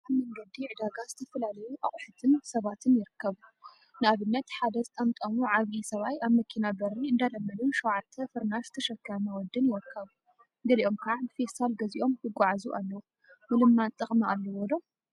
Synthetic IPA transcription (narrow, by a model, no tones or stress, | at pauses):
ʔaβmɐŋɡɐd̪iʕɨd̪aɡaz̥ɨt̪ʰɐfɐlalɐjuʔaχʼħɨt̪ʰɨnsɐβat̪ʰɨnjɪɾɨkʰːɐβu | nɨʔaβɨnːɐt̪ħad̪ɐzɨt̪ʼɐmt̪ʼɐmuʕaβisɐβajaβmɐkʰinabɐɾiɨnd̪alɐmːɐlunʃɐwʕat̪ʰːɐfɨɾnazɨt̪ʰɐʃɐkːajnɐwɔd̪ːɨnjɪɾɨkʰːɐβu | ɡɐliʔo̞mkʰɐʕaɨfest̪ʰalɡɐziʔo̞mkɨɡʷaʕazuʔalːɐwu | mɨlɨmːant̪ʼɨχʼmaʔalːɐwɔlo